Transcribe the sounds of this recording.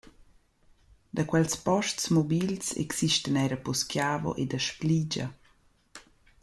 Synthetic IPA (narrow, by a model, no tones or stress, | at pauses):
d̪akwɛlspɔʃtsmɔbilsɛ̰ksiʃtənɛɾəpɔskjaːvo̰ʔed̪əʃplid͡ʒɐ̰